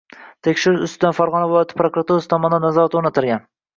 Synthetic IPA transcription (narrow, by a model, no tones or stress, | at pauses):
t̪ʰekʲʃɪɾɪʃʊst̪ɪd̪anfaɾʁɒnavɪlˠɒjat̪ʰɪ̥pɾokɾat̪uɾasɪt̪ʰɒmɒnd̪annazɒɾat̪oɾnat̪ʰɪɾɡʲan